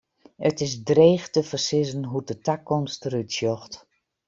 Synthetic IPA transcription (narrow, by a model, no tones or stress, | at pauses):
ətɪsdreːxtəfərsɪzənɦudətakːɔmstəɾytsjɔxt